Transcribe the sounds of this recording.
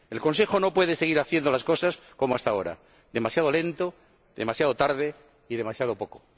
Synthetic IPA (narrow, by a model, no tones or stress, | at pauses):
e̞lko̞ns̬e̞xo̞no̞pwe̞ð̞ese̞ɣiɾaθje̞nd̪o̞lasko̞sasko̞moast̪ao̞ɾa̰ | ðe̞masjað̞ole̞nt̪o | ðe̞masjað̞o̞t̪aɾðe | iðe̞masjað̞opo̞ko̥